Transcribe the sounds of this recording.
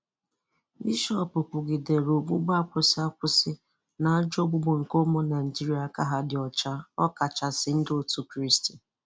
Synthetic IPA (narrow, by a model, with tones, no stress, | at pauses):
mi˦ʃɔ˨pʊ˨pʊ˨ɡɪ˨de˨ɾo˨ɡ͡bʷu˦ɡ͡ba˦kʷʊ˨sɪ˦a˦kʷʊ˦sɪ˦ | na˨a˦d͡ʒo˦ɡ͡bʊ˦ɡ͡bo˨ŋ̩˨ko˦mo˦na˨d͡ʒi˦ɾi˦a˨ka˦ɦa˦dɪ˨ɔ˨t͡ʃa˦ɔ˦ka˨t͡ʃa˨sɪ˨n̩˦do˦tu˦kɾi˦sti˨